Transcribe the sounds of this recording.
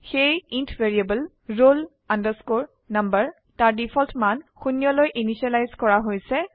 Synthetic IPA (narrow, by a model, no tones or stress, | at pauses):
xejintʰveɹiabəl | ɹol | andəɹskoɹ | nambəɹ | taɹdipʰɔltʰmanxunijɔlojʔinisalajzkɔɹaɦojsɛ